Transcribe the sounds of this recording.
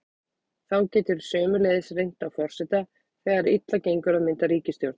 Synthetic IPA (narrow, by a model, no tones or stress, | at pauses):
θawcɛːt̪ʏɾ̥sœːmʏlɛðɪsrejn̥t̪awfɔr̥sɛt̪a | θɛːɣaɾit̪lacejŋkʏɾaðmɪnt̪aɾiːcɪst̪jowɾt̪n̥